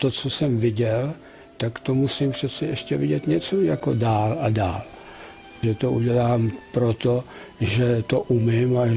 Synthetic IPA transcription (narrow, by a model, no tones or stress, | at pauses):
t̪ot͡sosɛmvɪɟɛl | t̪akt̪omusimpr̥ɛt͡sɛʔɛʃcɛvɪɟɛt̪ɲɛt͡sojako̞daːladaːl | ʒɛt̪oʔuɟɛlaːmpɾot̪o | ʒɛt̪oʔumɪma